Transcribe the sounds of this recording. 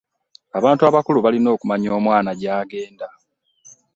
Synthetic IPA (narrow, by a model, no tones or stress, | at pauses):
aβaːntuaβakuluβalino̞ːkumaɲo̞ːmwaːnaɟaːɡe̞ːnda